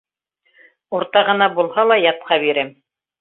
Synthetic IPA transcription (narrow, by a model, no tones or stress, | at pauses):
uɾt̪ɑʁɤ̆nɑbulˠhɑlˠɑjɑt̪̚qɑβiɾɘm